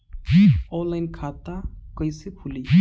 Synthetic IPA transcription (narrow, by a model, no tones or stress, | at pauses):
ɔlajnkʰat̪akəjsepʰuli